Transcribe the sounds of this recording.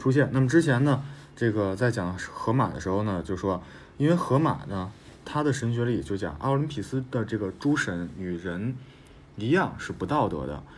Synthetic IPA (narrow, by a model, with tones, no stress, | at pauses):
ʈ͡ʂʰu˥ɕ̬jɛ˥˩nna˥˩mə˩ʈ͡ʂɻ̩˥t͡ɕʰjɛ˧˥nnə˧ | ʈ͡ʂɤ˥˩ɡə˩t͡sa˥˩ɪt͡ɕjɑ˨˩ŋʂxɤ˧˥ma̰˨˩d̪ə̰˧˦ʂɻ̩˧˥xo˧ʊnə˨t͡ɕjo˥˧ʊʂʂwɔ˥ | i˥nwe˥˩ɪxɤ˧˥ma̰˨˩nə˦ | t̪ʰa˥d̪ə˨ʂə˧˥nɕ̬ɥɛ˧˥li˨˩t͡ɕjo˥˩ʊt͡ɕjɑ̰˨˩ŋʔɑ̰˥˩li˧˥npʰi˨˩sɹ̩˥d̪ə˨ʈ͡ʂɤ˥˩ɡə˩ʈ͡ʂu˥ʂə˧˥ny˨˩ɻə˧˥n | i˧˥jɑ˥˧ŋʂɻ̩˥˩pu˧˥t̪ɑ˥˩ʊt̪ɤ̰˧˥d̪ə̰˧˩